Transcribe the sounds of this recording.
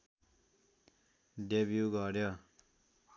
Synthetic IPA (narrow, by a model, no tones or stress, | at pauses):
ɖebjuɡʌɾjo